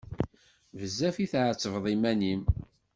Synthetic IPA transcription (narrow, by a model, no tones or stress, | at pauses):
vəzːæfiθʕət͡sːəvðˤimænim